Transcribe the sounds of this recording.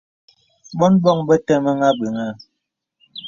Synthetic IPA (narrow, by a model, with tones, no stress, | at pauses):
bɔ˦nbɔ˦˨ŋbə˦tɛ˦˨mə˦ŋa˦bə˨ŋa˦˨